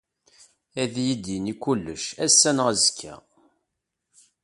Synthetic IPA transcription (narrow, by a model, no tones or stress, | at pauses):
æðjid̪inikʷːulːəʃæsːænʁæzəkʰːæ̰